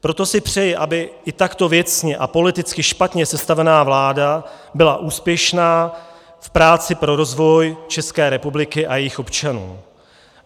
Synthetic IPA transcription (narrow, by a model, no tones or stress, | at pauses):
pɾo̞t̪o̞sɪpr̝̥ɛjɪʔabɪɪt̪akt̪o̞vjɛt͡sɲɛʔapo̞lɪt̪ɪt͡skɪʃpat̪ɲɛsɛst̪avɛnaːvlaːda | bɪlaʔuːspjɛʃnaː | fpɾaːt͡sɪpɾo̞ɾo̞zvo̞jt͡ʃɛskɛːɾɛpublɪkɪʔajɛjɪxo̞pt͡ʃanṵː